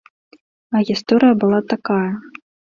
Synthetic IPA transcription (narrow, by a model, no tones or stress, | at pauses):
ɐɣʲist̪ɔɾɨjɐbɨlˠat̪akajɐ